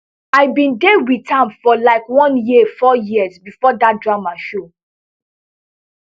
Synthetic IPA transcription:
aɪbĩndewitʰãmfɔlaɪkwɔ̃njifɔjizbifɔdat̚dɹamaʃo

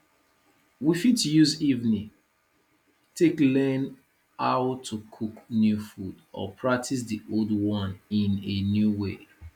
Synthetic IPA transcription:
wifitjuzivnĩ | tʰeklɛ̃n | aʊtʰukʰuknjufudɔ̰pʰɹak̚tʰis̬diʔoldwɔ̃ninenjuwe

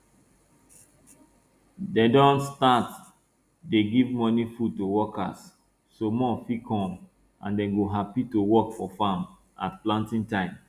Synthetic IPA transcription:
dɛ̃dɔ̃nstat | deɡivmɔnifud̚towɔka̰sː | omɔ̃fikʰɔ̃m | ʔãndɛ̃nɡoɦapitowɔkfɔfãm | a̰tplãntĩŋtãɪ̃m

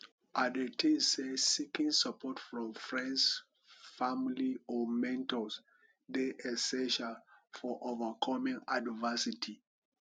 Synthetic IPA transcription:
ʔadətʰĩsesikĩŋsapʰɔtfɹɔ̃mfɹɛ̃nds | familiɔmɛ̃ntɔs | deʔɛsɛ̃ʃalfɔʔovəkʰɔmĩŋadvɛsitʰi

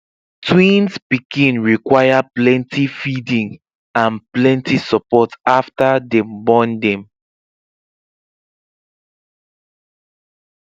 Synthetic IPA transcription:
tʰwĩnspikʰĩnɹikwajaplɛ̃ntʰifidĩŋ | ãnplɛ̃ntisɔpɔtaftadɛ̃mbɔ̃ndɛ̃m

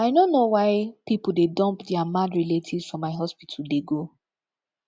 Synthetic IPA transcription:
aɪnonːowaɪpipul̩dedɔ̃mpdɛamadɹiletʰidsfɹɔ̃mːaɪɦɔspitʰl̩deɡo

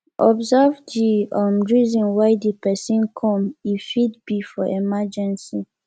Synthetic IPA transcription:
ʔɔbzɛvdiɔmɹizɔ̃nwaɪdipɛsĩnkʰɔ̃mifidbifɔʔemad͡ʒɛ̃nsi

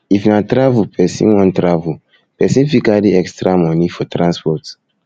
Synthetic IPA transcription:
ifnatɾavupʰɛsḭ̃nwɔ̃ntɾavu | pɛsĩnfikadiɛkstɾamɔnifɔtɾãnspɔt

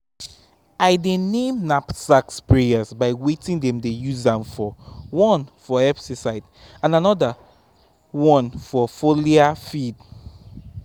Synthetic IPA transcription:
aɪdenẽmnapsakspɹejazbaɪwetĩŋdɛ̃mdejuzãmfɔwɔ̃nfɔɛpsisaɪd | ãnanɔda | wɔ̃nfɔfoliafid

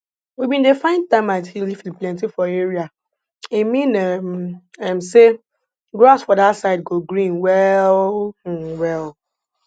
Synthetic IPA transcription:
wibĩndefãɪ̃ntãmathilifĩnplɛ̃ntifɔeɹia | imĩnɛmɛmse | ɡɹasfɔdasaɪd̚ɡoɡɹĩnwɛl̩ | wɛl

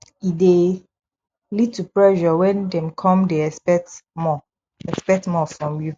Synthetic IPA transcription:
ide | litupɹɛʒɔwɛ̃ndɛ̃mkʰɔ̃mdeɛspɛk̚tmɔ | ɛkspɛk̚tmɔfɹɔ̃mju

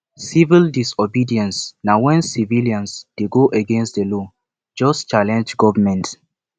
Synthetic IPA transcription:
sivildisɔbidiɛ̃nsnawɛ̃nsiviliãnsd̥eɡoʔəɡɛ̃nstdəlɔ | d͡ʒɔst͡ʃalɛ̃nd͡ʒɡɔvəmɛ̃nt

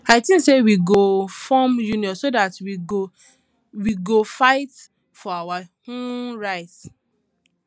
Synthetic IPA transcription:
aɪtĩnsewiɡofɔmjuniɔ̃nsodatwio | wiɡofaɪt | fɔawahõnɹaɪt

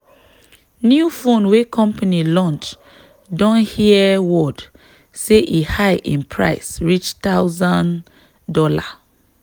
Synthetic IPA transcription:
njufõnwekʰɔ̃mpanilɔ̃nt͡ʃ | dɔ̃nhiɛwɔd | seʔihajʔḭ̃npʰɹa̰ɪsɹit͡ʃtaʊzãn | dɔla

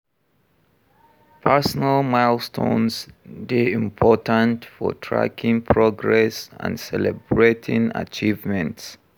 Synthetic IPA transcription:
pʰɛsnəlmaɪlstʰõ̰nsdeĩmpʰɔtə̃ntfɔ̰tʰɹa̰kʰɪ̃ŋpʰɹɔɡɹɛsã̰nsɛlɛbɹetʰɪ̃ŋa̰t͡ʃivmɛ̃nts

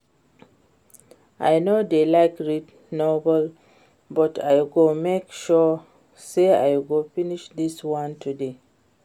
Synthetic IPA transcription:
ʔa̰jnodelaɪkɹit | nɔbəl | bɔtʰajɡomekʃɔ | sea̰jɡofiniʃdiswãntʰude

